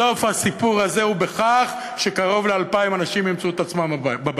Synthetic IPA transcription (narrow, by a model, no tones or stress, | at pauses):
o̞fhasipuʁaze̞hube̞χaχ | ʃe̞kaʁo̞vlealpaimanaʃimimt͡suet̪at͡smambab